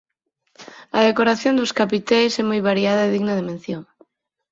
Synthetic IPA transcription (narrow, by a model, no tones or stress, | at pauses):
ɐðekoɾaθjond̪oskapit̪ɛjsɛmojβaɾjaðɐeðiɣnɐðemẽnθjoŋ